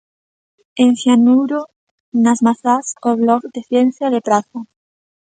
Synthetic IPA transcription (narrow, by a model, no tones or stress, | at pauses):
ẽŋxjanuwɾo | nazmaθasoβlɔkd̪eθjen̟θjaðepɾaθa